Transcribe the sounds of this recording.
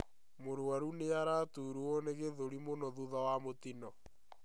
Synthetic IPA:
moɾwaɾuneaɾatuɾuɔneɣeðoɾimonɔðuðawamotinɔ

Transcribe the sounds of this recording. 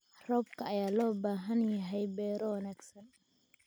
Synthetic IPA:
rɔbkʰɐːjaːlɔːbaːɦɐnjɐɦɛjbɛːɾɔwɐnaːɡsɐn

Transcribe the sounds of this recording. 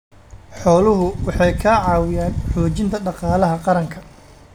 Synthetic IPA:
ħɔːlʊɦʊwɑħɑjkʰɐʕɑːwɪjaːnħɔːt͡ʃɪnt̪ʰɐɖɑqɑːlɐɦɐqɑɾɐŋkʰɐ

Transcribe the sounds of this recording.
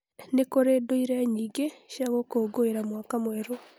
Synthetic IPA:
nekoɾedoiɾaɲiːɡeʃaɣokoːɡoeɾamwakamoɛɾo

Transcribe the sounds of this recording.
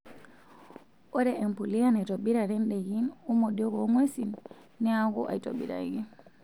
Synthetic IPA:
ʔɔɾɛʔɛmpulijanajtoɓiɾaɾɛnɗɛɡinumɔɗɔɡɔŋwesin | nɛaɡɔ̰ʔa̰jto̰ɓḭɾa̰ɡi

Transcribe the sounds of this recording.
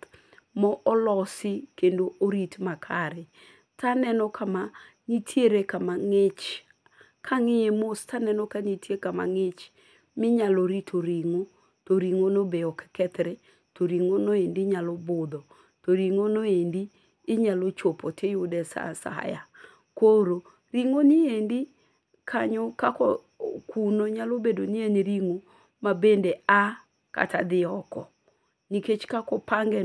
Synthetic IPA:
mɔʔɔlɔsɪkendoʔoɾitmakʰaɾɛ | tanɛnɔkʰama | ɲitʰjeɾekamaŋɪt͡ʃ | kʰaŋɪɲemostanɛnɔkaɲitjekama̰ŋɪt͡ʃ | mɪɲaloɾitʰoɾiŋo | toɾiŋonobeɔkkɛt̪ɾɛ | toɾiŋonoendiɲalɔbʊd̪ɔ | toɾiŋonoendiː | ɲalot͡ʃopɔtɪjʊdɛsa̰sa̰ja̰ | koɾo | ɾiŋoniendi | kʰaɲɔkakɔ | kunoɲalobedonieniɾiŋo | mabendea | ka̰ta̰d̪ɪɔkɔ̰ | niket͡ʃkakɔpaŋɡɛ

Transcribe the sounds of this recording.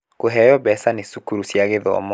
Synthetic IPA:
koɦɛjɔβɛsanesukuɾusjaɣeðɔɔ̰mɔ

